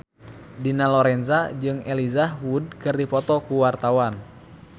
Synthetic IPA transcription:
dinalɔɾɛnzad͡ʒɨŋɛlizawud̚kɨrdipɔt̪ɔkuwart̪awan

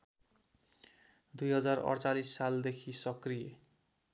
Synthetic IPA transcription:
d̪ujɦʌd͡zarʌ̰rt͡salisːald̪ekʰisʌkrije

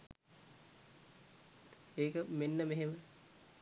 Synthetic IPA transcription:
eːkəmenːəmeɦemə

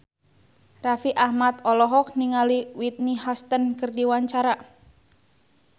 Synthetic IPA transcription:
rafiʔahmat̪ɔlɔɦɔk̚niŋaliwit̪̚nihɔst̪ənkərdiwaɲt͡ʃaɾa

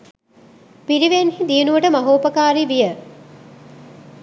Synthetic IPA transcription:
piɾiʋenhid̪ijənuʋəʈəmɐɦoːpəkaːɾiʋijə

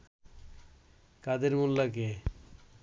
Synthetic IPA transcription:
kad̪eɾmulːak̬e

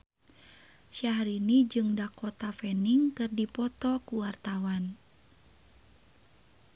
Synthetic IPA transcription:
ʃaɦɾinid͡ʒɨŋdakɔt̪afɛniŋkɨrdipɔt̪ɔkuwart̪awan

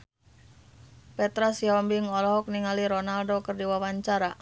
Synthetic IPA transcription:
pɛt̪ɾasiɔmbiŋɔlɔɦɔk̚niŋaliɾɔnaldokɨrdiwawaɲt͡ʃaɾa

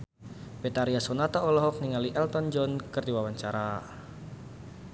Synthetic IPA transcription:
b̥et̪aɾiasɔnat̪ɔːlɔɦɔk̚niŋaliʔɛlt̪ɔnd͡ʒɔnkɨrdiwawaɲt͡ʃaɾa

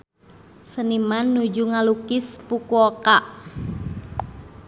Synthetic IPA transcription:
sənimanːud͡ʒuŋalukɪspukuokaʔ

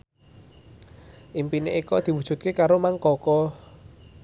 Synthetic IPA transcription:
ʔimpineikɔd̪̥i̤wud̥ʒ̥ṳt̪̚kekaɾomaŋkɔkɔ

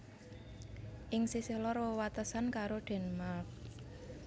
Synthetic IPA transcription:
ʔɪŋsisehlɔrwowat̪əsankaɾoɖ̥ɛ̤nmalf

